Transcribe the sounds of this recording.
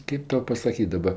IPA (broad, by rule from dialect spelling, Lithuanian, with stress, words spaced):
ˈkʲeːp ˈtɐʊ pɐsɐˈkʲiːtʲ dɐˈbɐ